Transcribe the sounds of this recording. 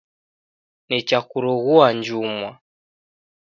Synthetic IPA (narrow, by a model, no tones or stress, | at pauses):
nit͡ʃakuɾɔɣuaɲd͡ʒumwa